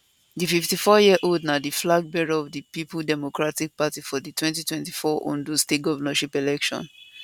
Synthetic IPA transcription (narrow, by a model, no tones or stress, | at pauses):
dififtifɔjiəʔoldnadiflaɡ̚bɛɹoɔvdipipldɛmokɹatik̚patifɔditwɛ̃ntitwɛ̃nti̥fɔʔõ̰ndostet̚ɡɔvənaʃipelɛkʃɔ̰̃n